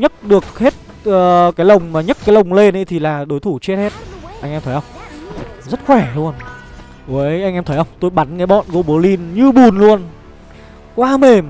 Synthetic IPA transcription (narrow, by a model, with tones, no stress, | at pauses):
ɲə˦˥t̚ɗɨ˨˩ək̚he˦˥t̚ | əː˨˩kaː˨˦jlə˨˩wŋ͡mmaː˨˩ɲə˦˥kaː˨˦jlə˨˩wŋ͡mle˧nʔə̰˧˦t̪ʰi˨˩laː˨˩ɗo˨˦jt̪ʰu˧˩t͡ɕe˦˥t̚he˦˥t̚ʔa˧jŋʔɛ˧mt̪ʰə˨˦jhə˧wŋ͡m | zə˦˥t̚xwɛ˧˩lu˧ən˨ | ə˨˦˨jʔa˧jŋʔɛ˧mt̪ə˨˦jhə˧wŋ͡mt̪o˧jɓa˨˦nkaː˨˦jɓɔ̰˧˨nɣo˧ɓu˨˦li˧nɲɨ˧ɓu˨˩nlu˧ən | kwaː˧me˨˩m